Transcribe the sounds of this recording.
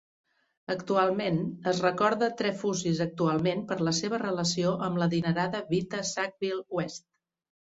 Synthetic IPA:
əkt̪ualˠmenəzrəkɔɾðət̪ɾɛfuzizək̚t̪ualˠmenpəɾləseβ̞ərələsioʔəmləðinəɾaðəβit̪əsak̚bilˠwɛst̪̚

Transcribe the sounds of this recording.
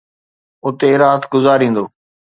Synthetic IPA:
ʊt̪eːɾaːt̪ɡʊzaːɾĩːn̆d̪oː

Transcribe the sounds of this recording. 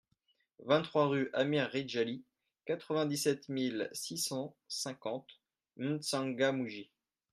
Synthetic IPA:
vɛ̃t̪t̪ːχwaʁyʔamiʁːid̪ʒali | kat̪χəvɛ̃d̪isɛt̪milsisɑ̃ | sɛ̃kɑ̃t̪ | mynsɑ̃ŋɡamuʒi

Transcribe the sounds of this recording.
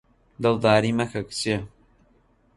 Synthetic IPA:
d̪ɨld̪aːɾimɐkʰɐkt͡ʃe

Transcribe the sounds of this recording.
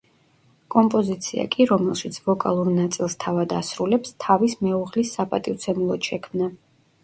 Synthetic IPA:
kʼɔmpʼɔzit̪sʰia̰kʼiɾɔmɛlˠʃit̪sʰvɔkʼalˠuɾnat̪sʼilˠst̪ʰavad̪asɾulɛpst̪ʰavismɛuʁlisapʼat̪ʼift̪sʰɛmulˠɔʃɛkʰmna

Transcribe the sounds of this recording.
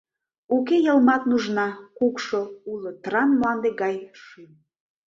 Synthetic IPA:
ukejəlˠmɑt̪nuʒnɑkukʃoulot̪rɑnmlɑnd̪eɡɑjʃym

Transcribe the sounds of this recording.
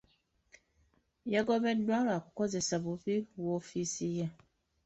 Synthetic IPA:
jɛɡɔbɛdaɾakukɔzɛsabuɸiwɔfisijɛ

